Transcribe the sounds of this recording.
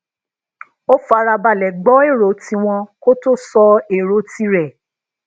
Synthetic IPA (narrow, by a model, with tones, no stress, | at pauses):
o˦fa˧ɾa˧ba˨lɛ˨ɡ͡bɔ˨˦e˦˨ɾo˨˦ti˧w̃ɔ̃˧ko˦to˦sɔ˧e˨ɾo˨˦ti˧˦ɾɛ˨